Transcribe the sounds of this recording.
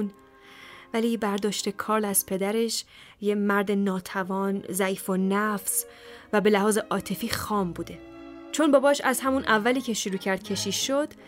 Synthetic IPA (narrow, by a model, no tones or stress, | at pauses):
n | væliːbæɾd̪ɒːʃt̪e̞kʰɒːɾlæz̥pʰe̞d̪æɾe̞ʃ | jemæɾd̪e̞nɒːt̪ʰævɒːnzæiːfonæfs | væbe̞læhɒːze̞ʔɒːt̪ʰe̞fiːxɒːmbuːd̪e̞ | t͡ʃʰo̞nbɒːbɒːʃæzhæmunʔævːæliːcʰe̞ʃoɾuːcʰæɾd̪̚cʰe̞ʃiːʃo̞d̪̥